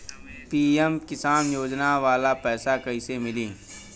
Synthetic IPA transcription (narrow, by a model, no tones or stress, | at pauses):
piːɛmkɪsaːnjoːd͡ʒnaʋaːlapɛːsakɐɪsemɪlĩː